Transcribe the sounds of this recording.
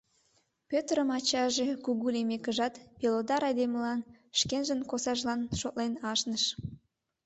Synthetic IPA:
pʲøt̪əɾəmɑt͡ɕɑʒe̽kuɣulemekəʒɑt̪pelod̪ɑɾɑjd̪eməlɑnʃkenʒənkosɑʒlɑnʃot̪lenɑʃnəʃ

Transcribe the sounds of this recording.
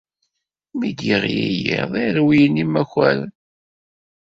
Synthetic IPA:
mid̪jəʁjijḭðˤiɾwijənimæxæɾ

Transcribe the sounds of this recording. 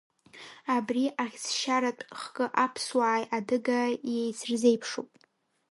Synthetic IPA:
abriʔaʁʲsʃaɾatʼχkʼɨʔapʰswaːjadɨɡajejsrze̞jpʰʂopʼ

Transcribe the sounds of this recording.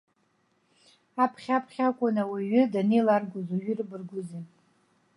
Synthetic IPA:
apʰχʲapʰχʲakʷʼʊnawiɥʏdanejlarɡʷʊzuɥʏrɨbɨrɡʷʊzi

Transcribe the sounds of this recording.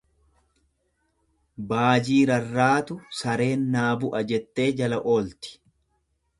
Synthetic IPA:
baːd͡ʒiːɾɐrːaːt̪ʊsɐɾe̞ːnːaːbʊʔɐd͡ʒɛt̪ːe̞ːd͡ʒɐlɐʔo̞ːlt̪ɪ̥

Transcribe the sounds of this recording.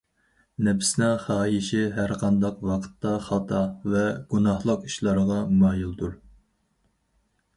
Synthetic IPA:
nɛpsnɛχɑːjiʃɪɦæɾqʰɑnd̪ɑqwɑqʰə̥t̪ːɑχɑt̪ʰɑvɛɡ̥unɑhlˠəqiʃlˠɑɾəʁɑmɑːjilˠd̪uɾ

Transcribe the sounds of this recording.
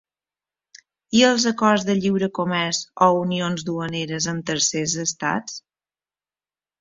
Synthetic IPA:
iəlˠzəkɔrzðəʎiwɾəkomɛɾzɔunionzd̪uəneɾəzəmt̪əɾsezəst̪a̰t͡s

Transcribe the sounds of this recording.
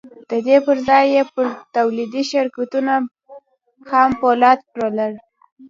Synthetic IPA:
d̪̥əd̪epəɾzɑjːepəɾt̪awlid̪iʃaɾkat̪una | xɑmpolɑt̪pɾalaɾ

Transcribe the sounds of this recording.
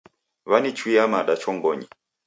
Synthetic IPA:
βanit͡ʃwiamaɗat͡ʃɔŋɡɔɲi

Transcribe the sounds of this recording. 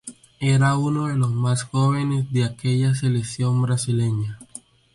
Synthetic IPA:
e̞ɾauno̞ðe̞lo̞zmasxo̞βe̞ne̞zðeake̞ʎas̬e̞leksjo̞mbɾasile̞ɲa

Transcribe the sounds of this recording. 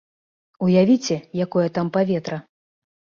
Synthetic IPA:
ujavʲit͡sʲɛjakɔjɐt̪ampavʲɛt̪ɾɐ

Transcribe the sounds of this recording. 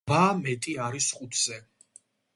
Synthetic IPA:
bamɛt̪ʼiaɾisχut̪ʰz̥ɛ

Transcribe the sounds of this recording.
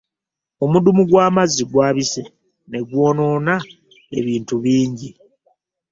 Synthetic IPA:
omudumuɡwaːmazːiɡwaːβise̞ | ne̞ɡwo̞ːno̞ːna | eβiːntuβiːɲɟi

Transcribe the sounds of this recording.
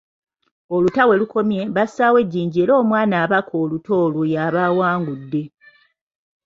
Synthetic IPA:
o̞lutawe̞luko̞mje̞βasaːwe̞ɟːiːɲɟie̞ːɾo̞ːmwaːnaːβakʰo̞ːluto̞lujaβaːwaːŋɡudːe̞

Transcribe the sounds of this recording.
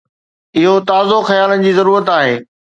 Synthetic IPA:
ɪɦot̪aːzoxɐjaːlənɪ̆d͡ʑiːzɐɾuːɾət̪aːɦeː

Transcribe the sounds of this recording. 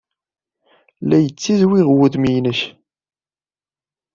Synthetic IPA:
læjət͡sːizwiʁwʊðmijnəç

